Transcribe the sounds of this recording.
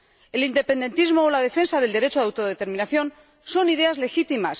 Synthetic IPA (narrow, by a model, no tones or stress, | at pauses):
e̞lind̪e̞pe̞nd̪e̞nt̪izmo̞ːlað̞e̞fe̞nsaðe̞ld̪e̞ɾe̞t͡ʃoðawt̪oðet̪e̞ɾmĩnaθjo̞n | so̞niðe̞azle̞xit̪imas